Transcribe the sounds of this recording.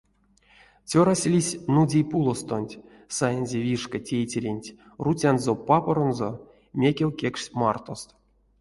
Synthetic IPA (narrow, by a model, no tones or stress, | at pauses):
t͡sʲoɾasʲlʲisʲnudʲijpulˠost̪onʲtʲ | sajenʲzʲevʲiʂkətʲejt͡sʲeɾʲenʲtʲ | rut͡sʲanzopapoɾonzo | mʲekʲewʲkʲekʂʲmart̪o̞st̪